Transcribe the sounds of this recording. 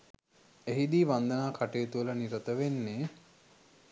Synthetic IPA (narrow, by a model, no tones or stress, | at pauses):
eɦid̪iːʋand̪ənaːkaʈejːt̪uələniɾət̪əʋenːe